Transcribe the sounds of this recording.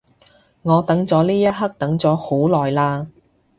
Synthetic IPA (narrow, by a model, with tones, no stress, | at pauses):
ŋɔː˨˧t̪ɐ˨˥ŋt͡sɔː˨˥liː˥jɐ˥t̚ɦɐ˥k̚t̪ɐ˨˥ŋt͡sɔː˨˥ho˨˥wlɔː˨jlaː˧